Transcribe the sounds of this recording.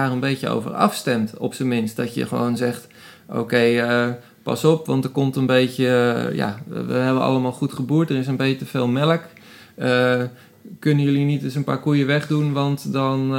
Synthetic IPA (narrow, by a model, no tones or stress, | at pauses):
aːrənbejjəo̰wvə̰rɑ̰fstɛmtɔ̰psəmɪnstdɔtjə̰χəʋo̰wnzɛxt | ʔo̰kejə | pɑ̰sɔpʋɑntdərkomtənbejtjəja̰ʋə̰ɦɛbənɑ̰ləmaːlˠχutχəbuːtdərɪs̬ənbejətəfeːlˠmɛlək | ə | kønəjølinitdəs̬ənpaːɹkujəʋɛχdunʋɑntdɔn